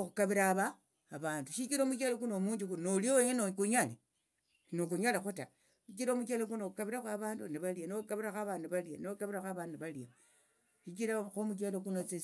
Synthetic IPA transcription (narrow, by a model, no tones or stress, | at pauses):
oxukaβiɾaβaː | βaːnduʃikiɾomut͡ʃalek̬unomuːɲd͡ʒikunoliojenokuɲale | nokuɲalaxuta | ʃikiɾomut͡ʃelek̬unoukaβiɾaxaβaːnduniβalianoukaβiɾaxaβaːnduβalianokaβiɾaxaβaːndniβalia | ʃikiɾaxomut͡ʃ̬elokunot͡se